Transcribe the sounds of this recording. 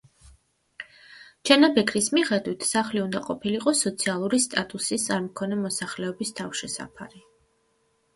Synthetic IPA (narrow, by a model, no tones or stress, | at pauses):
t͡ʃʰɛnabɛkʼɾismiχɛd̪wit̪ʰsaχliund̪aqʼɔpʰiliqʼɔsɔt̪sʰialˠuɾist̪ʼat̪ʼusist̪sʼaɾmɔkʰɔnɛmɔsaχlɛɔbist̪ʰafʃɛsa̰pʰa̰ɾi